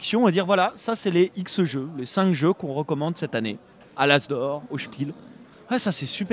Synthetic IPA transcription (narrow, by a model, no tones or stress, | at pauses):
ksjɔ̃ed̪iʁvwalasasɛleiksʒølesɛ̃kʒøkɔ̃ʁəkɔmɑ̃d̪sɛt̪ane | alazd̪ɔʁoʃpil | wɛsasɛsyp